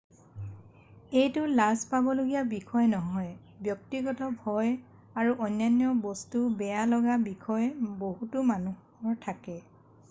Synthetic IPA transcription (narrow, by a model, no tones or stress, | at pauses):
ejtʊlazpabɔloɡijabikʰɔjnɔɦɔj | bjɔk̚tiɡɔtɔbʱɔj | aɹuʔɔnjanjɔbɔstubɛjalɔɡabikʰɔjboɦutʊmanu | ɔɹtʰakɛ